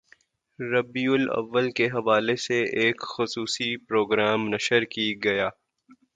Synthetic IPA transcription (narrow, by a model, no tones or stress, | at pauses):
ɾɐbiːʊlɐ̰ʋːəlkeɦɐʋaːleseʔeːkxʊsuːsipɾoːɡɾaːmnɐʃəɾkiɡɐjaː